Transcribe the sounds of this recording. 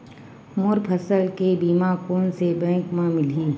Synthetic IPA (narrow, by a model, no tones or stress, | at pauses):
mʊɾpʰəsəlkebiːmakoːnsebɛ̃ːkmãmɪlĩː